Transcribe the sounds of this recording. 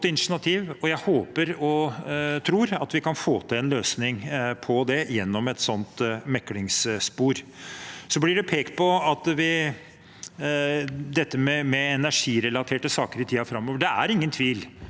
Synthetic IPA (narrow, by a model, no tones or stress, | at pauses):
t̪ːəɪnʂɳɑt̪ʰiːʋɔjæɪhoːpəɾɔt̪ʰɾuːɾɑt̪ʋɪkɑnfoːt̪ʰɪlɛnløːsnɪŋpʰɔd̪ɛjɛnːɔmɛt̪sɔnt̪mɛkːlɪŋsspuːɾsɔblɪɖʉpʰeːkpɔɑt̪ʋɪ | d̪ɛt̪ːəmɛmɛɛnæʂiːɾɛlɑt̪ʰeːʈəsɑːkəɾɪt̪ʰiːɑfɾɑmːɔːʋəɖɛæɾɪŋːənt̪ʰʋiːl